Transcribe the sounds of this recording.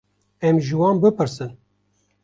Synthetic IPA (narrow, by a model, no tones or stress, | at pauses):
ɛmʒɨwɑːnbɨpɨɾsɨn